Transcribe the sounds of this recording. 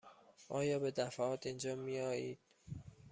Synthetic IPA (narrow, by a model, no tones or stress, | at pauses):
ʔɒːjɒːbe̞d̪æfæɒːt̪ʰind͡ʒɒːmijɒːiːd̪̥̚